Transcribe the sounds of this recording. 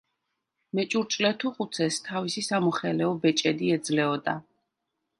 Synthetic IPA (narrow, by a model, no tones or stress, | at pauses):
mɛt͡ʃʼuɾt͡ʃʼlɛt̪ʰuqʼut̪sʰɛst̪ʰavisisamɔχɛlɛɔbɛt͡ʃʼɛd̪iɛd̪zlɛɔd̪a̰